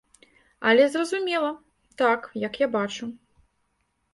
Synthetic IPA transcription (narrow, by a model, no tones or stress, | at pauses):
ɐ̰lʲɛzrɐzumʲɛlˠɐ | t̪akjɐkjabat͡ʂu